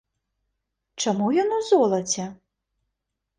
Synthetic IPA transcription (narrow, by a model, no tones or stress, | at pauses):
t͡ʂamujɔnuzɔlˠɐt͡sʲɛ